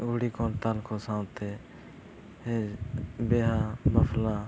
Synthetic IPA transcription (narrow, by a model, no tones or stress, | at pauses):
ɡʊɽiːkʰoːnt̪alkʰoːsãːwt̪ʰeː | hebeːɦaːməflãː